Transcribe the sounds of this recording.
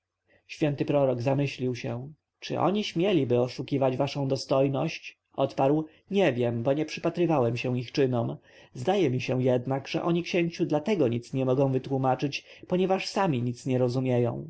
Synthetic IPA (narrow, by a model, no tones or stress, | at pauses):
ɕfʲjɛnt̪ɘpɾɔɾɔɡzamɘɕlʲiwɕɛ | t͡ʂɘ̰ʔɔ̰ɲiɕmʲjɛlʲibɘɔʂukʲivad͡ʑvaʂɔ̃w̃d̪ɔst̪ɔjnɔɕt͡ɕ | ʔɔt̪paɾw | ɲɛvʲjɛmbɔɲɛpʂɘpat̪ɾɘvawɛmɕɛ̃ixt͡ʂɘnɔm | zd̪ajɛmʲiɕɛjɛd̪naɡʐ̥ɛ̰ʔɔɲikɕeɲt͡ɕud̪lat̪ɛɡɔɲit̪sɲɛmɔɡɔ̃w̃vɘt̪wumat͡ʂɘt͡ɕpɔɲɛvaʂsamʲiɲit̪sɲɛɾɔzumʲjɛjɔ̰̃w̃